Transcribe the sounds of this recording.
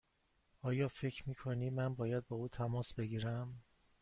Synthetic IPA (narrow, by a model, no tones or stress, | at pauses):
ɒːjɒːfe̞cʰɾmiːkʰoniːmænbɒːjæd̪̚bɒːuːt̪ʰæmɒːsbe̞ɡiːɾæm